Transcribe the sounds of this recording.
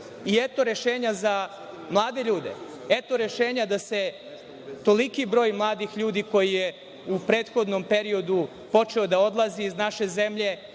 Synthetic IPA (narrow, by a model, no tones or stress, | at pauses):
iet̪oɾe̞ʃeːɲaza | mlˠaːd̪e̞ʎuːd̪ḛ | et̪o̞ɾe̞ʃeːɲad̪ase̞ | t̪o̞likibɾo̞ːjmlˠaːd̪ixʎuːd̪iko̞jije | upɾeːt̪xo̞d̪no̞mpe̞ɾio̞d̪u | po̞t͡ʃe̞o̞d̪ao̞d̪lˠaziːznaʃe̞ze̞mʎe̞